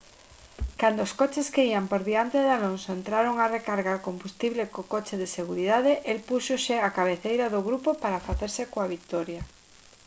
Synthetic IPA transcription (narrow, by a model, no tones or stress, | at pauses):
kand̪oːskot͡ʃeskeiampoɾðiant̪eðalonsoent̪ɾaɾoŋarekaɾɣaɾkombust̪iβlekokot͡ʃeðeseɣ̞uɾiðaðeʔelpusoʃeakaβ̞eθejɾaðoɣɾupopaɾafaθeɾsekoaβ̞ikt̪oɾja